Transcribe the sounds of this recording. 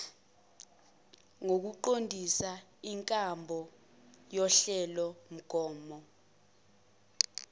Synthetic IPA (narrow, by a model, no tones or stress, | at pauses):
ŋok̬uǃondʱisaiŋkʼambʱɔ | jɔɬɛlɔm̩ɡ̥ʱɔːmɔ